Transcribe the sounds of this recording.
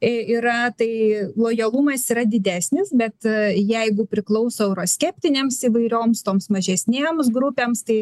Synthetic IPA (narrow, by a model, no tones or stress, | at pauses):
iɾɐt̪ɐɪlˠoːjɐlˠumɐsiɾɐd̪ʲɪd̪ʲæːsʲnʲɪsbʲɛt̪jɛɪɡʊpʲɾʲɪklˠɐʊsoːɛʊɾoːsʲkʲɛpʲt̪ʲɪnʲeːmsiːʋɐɪɾʲoːmst̪oːmsmɐʒʲɛsʲnʲeːms̬ɡɾupʲeːmst̪ɐɪ